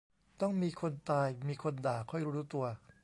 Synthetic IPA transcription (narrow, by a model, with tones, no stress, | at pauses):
t̪ɔ˥˩ŋmiː˧kʰo˧nt̪aː˧jmiː˧kʰo˧ndaː˨˩kʰːɔ˥˩jɾuː˦˥ɾuː˦˥t̪u˧ɐ